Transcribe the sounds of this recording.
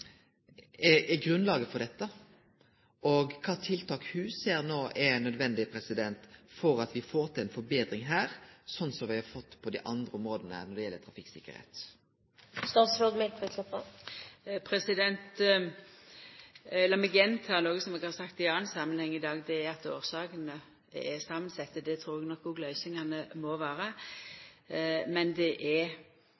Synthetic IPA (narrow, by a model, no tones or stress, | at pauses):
ɛɛɡɾʉnlɑːɡəfɔɾd̪ɛt̪ːə | ɔɡkʰɑːt̪ʰɪlt̪ʰɑːkhʉseːɾnoːʔɛnœd̪ʋɛnd̪ɪpʰɾɛsɪd̪ɛnt̪fɔɾɑt̪ʋɪfoːɾt̪ʰɪlɛɪnfɔɾbeːd̪ɾɪŋɦæːɾsɔnːsɔʋɪhɑfɔt̪ːpʰɔd̪ɪʔɑnd̪ɾəʊmɾoːd̪ənəə̰nɔɖ̪ɛjɛlːət̪ʰɾɑfɪkːsɪkːəɾhḛːt̪ | st̪ɑsɾoɡ̪mɛɪnʰɔɛksɛpəl | pʰɾɛsɪd̪ɛnt̪ | lɑmɪɡɛnt̪hɑɾnoːɡəsɔmɛɡhɑɾsɑkt̪ɪɑːnsɑmːənhɛŋːɪd̪ɑːɡd̪ɛːɾɑt̪o̰ːɾsɑːkənə | ɛsɑmːənsɛt̪ːəd̪ɛt̪ʰɾuːɾɛɡnɔkːʊɡlœʏsɪŋɑnəmoːʋæːɾə | mɛnd̪ɛʔɛ